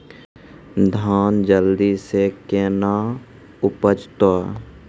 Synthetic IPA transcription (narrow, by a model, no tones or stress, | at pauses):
d̪ʱaːnd͡ʒəld̪isekeːna | ʊpət͡ʃt̪aː